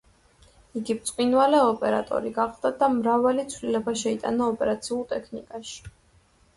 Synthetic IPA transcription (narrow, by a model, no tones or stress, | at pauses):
iɡipt̪sʼqʼwinvalɛɔpʼɛɾa̰t̪ʼɔ̰ɾiɡaχˠd̪̥ad̪amɾavalit̪sʰvlilɛbaʃɛit̪ʼa̰naɔpʼɛɾat̪sʰiulˠt̪ʼɛkʰnḭkʼaʃi̥